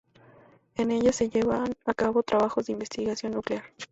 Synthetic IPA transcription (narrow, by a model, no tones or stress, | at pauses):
e̞ne̞ʝase̞ʝe̞βanakaβo̞t̪ɾʔaβaxo̞zðeimbe̞st̪iɣasjo̞nːukleaɾ